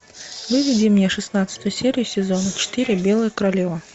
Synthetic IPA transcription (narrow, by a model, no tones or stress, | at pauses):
vɨvʲid͡zʲimnʲɛʂɨsnat̪sə̥t̪ʊjʊsʲeɾʲijusʲɪzɔnɐt͡ɕɪ̥t̪ɨɾʲɪbʲelˠɨjəkəɾalʲevɐ